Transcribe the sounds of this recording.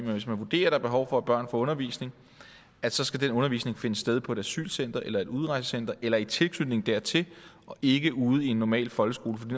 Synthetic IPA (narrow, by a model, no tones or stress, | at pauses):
menʋe̝smænʋud̥e̝̰ːɐɾ̥ɑ̈b̥e̝ɦɒʊfɒ̽æb̥ɶɐ̰nfɒɔ̽nɐʋḭːsne̝ŋ | æ̥sɒ̽sɡ̥æd̥enɔ̽nɐʋḭːsne̝ŋfe̝nəsd̥eð̞ˠpʰɒ̽e̝dæsy̰ːlsen̰d̥ɐʔelɐe̝d̥uð̞ˠʁɑ̈ɪsəsen̰d̥ɐʔelɐit͡sʰe̝lkʰlylne̝ŋ̩d̥æɐt͡sʰe̝l | ɒ̽ʔe̝ɡ̥əʔuːð̞̩ˠie̝nːɒmɛ̰ːlfɒ̽lɡəsɡ̥o̝ːləfɒ̽did